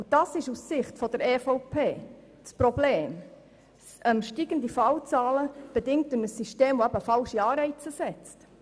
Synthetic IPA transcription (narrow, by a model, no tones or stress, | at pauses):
ud̥ɑːsɪʃussɪχtfɔdəɾeːfɔʊpʰeː | spɾobleːm | ɛmʃtiːɡ̥əndifɑwt͡sɑːləb̥ɛdɪŋ̚tʊnəsːiʃteːmʋoæbəfɑlʃiɑːɾɛɪt͡səsɛt͡st